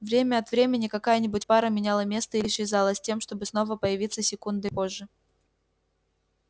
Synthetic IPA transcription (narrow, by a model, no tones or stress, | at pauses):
vɾʲemʲəɐt̪vɾʲemʲɪnʲɪkɐkajənʲɪbʊtʲpaɾəmʲɪnʲalˠəmʲe̞st̪əilʲɪʂɪzɑlˠəsʲtʲe̞mʂt̪o̞bɨsn̪o̞vəpəjɪvʲit̪səsʲɪkund̪ɨpo̞ʐːɨ